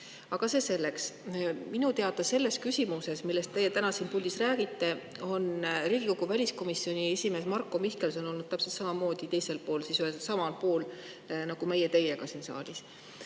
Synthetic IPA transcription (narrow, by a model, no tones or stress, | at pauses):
ɑɡ̥ɑse̞ːse̞lːe̞ksminut̪e̞ɑd̪ˑɑse̞lːe̞skysʲimuse̞smilːest̪t̪e̞jet̪ænɑsiːnpuld̥̪isræːɡ̥it̪ːˑe̞o̞nriːɡ̥iko̞ɡ̥uvælʲisko̞misːio̞nʲie̞sʲime̞ːsmɑrkːˑo̞mihke̞lso̞no̞lnud̪̚t̪æpselt̪sɑmɑmo̞ːd̪̥it̪e̞jse̞lpo̞ːlsisyhesɑmɑlpoːl | nɑɡ̥ume̞jet̪e̞jekɑsiːnsɑ̰ːlʲis